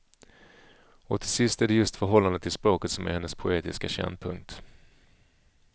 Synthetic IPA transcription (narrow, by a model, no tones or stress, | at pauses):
ɔt̪ʰɪsɪst̪æɖɛjɵst̪fœɾɦɔlːand̪ət̪ʰɪlspɾoːkət̪sɔmæ̰ɾhɛnːəspʰʊeːt̪ɪskaɕɛ̰nd̪pʰɵŋk̚t̪